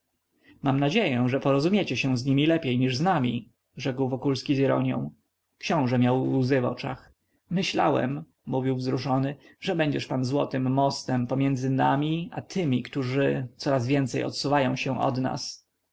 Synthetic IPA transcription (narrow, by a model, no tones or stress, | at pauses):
mamnad͡ʑejɛʐɛpɔɾɔzumʲjet͡ɕɛɕɛ̃zɲimʲilɛpʲjejɲiʐznamʲi | ʐɛkwvɔkulskʲiziɾɔ̰ɲjɔ̰̃w̃ | kɕɔ̃w̃ʐɛmʲjawzɘvɔ̰t͡ʂa̰x | mɘɕla̰wɛ̰mː | uvʲiwvzɾuʂɔnɘʐɛbɛɲd͡ʑɛʂpanzwɔ̰t̪ɘmːɔst̪ɛmpɔmʲjɛnd̪zɘnamʲiat̪ʰɘmʲikt̪uʐɘt̪sɔɾazvʲjɛnt̪sɛjɔ̰t̪suvajɔ̃w̃ɕɛ̃ʔɔ̰d̪na̰s